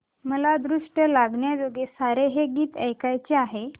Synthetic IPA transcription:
məlad̪ɾuʂʈəlaɡɳjad͡zoɡesaɾeɦeɡiːt̪əjkajt͡ɕeaɦe

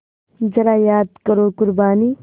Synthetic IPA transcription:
d͡ʒɐɾaːjaːd̪kɐɾoːkʊɾbaːni

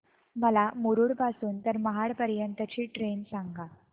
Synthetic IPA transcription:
məlamuɾuːɽpasuːnt̪əɾməɦaɽpəɾjənt̪ət͡ɕiːʈɾensaŋɡa

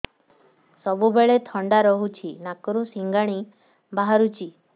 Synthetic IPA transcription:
sɔbubeɭet̪ʰɔɳɖaɾɔɦut͡ʃʰinakɔɾusiŋɡaɽ̃i | baɦaɾut͡ʃʰi

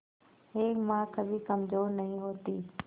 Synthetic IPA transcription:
ɦeːkmãːkʰəbʱiːkəmzoːɾnəɦĩːɦoːt̪iː

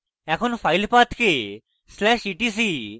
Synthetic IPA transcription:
ɛkʰonfʰajlpat̪ke | slɛʃiʈis̬i

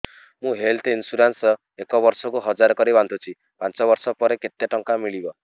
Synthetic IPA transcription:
mũɦelt̪insuɾansɔ | ekɔbɔɾsɔkuɦɔd͡ʒaɾɔkɔɾibant̪ʰut͡ʃʰi | pant͡ʃɔβɔɾsɔpɔɾeket̪ːeʈɔŋkamiɭibɔ

